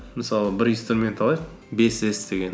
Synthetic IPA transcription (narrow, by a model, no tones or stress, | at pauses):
mɪsɑlˠəbɪɾinst̪ɾumʲe̞nt̪ʰɑlˠɑjq | be̞sesd̪e̞ɡʲe̞n